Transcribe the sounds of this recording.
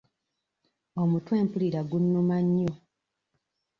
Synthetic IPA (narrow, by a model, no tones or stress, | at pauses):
omutwe̞ːmpuliɾaɡunːumaɲːo